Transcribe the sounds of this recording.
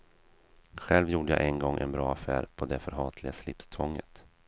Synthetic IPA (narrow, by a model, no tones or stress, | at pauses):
ɧɛlvjuːɖəja̰ʔɛnɡɔŋːʔɛ̰nbɾɑːafæ̰ːɾpʰɔd̪ɛfœɾɦɑːt̪ʰlɪɡaslɪpst̪ʰvɔŋːə̰t̪